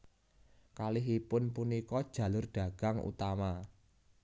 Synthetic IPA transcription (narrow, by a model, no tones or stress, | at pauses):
kalɪɦipʊnpunikɔd̥ʒ̥ä̤lʊrɖ̥a̤ɡ̥a̤ŋṵt̪ama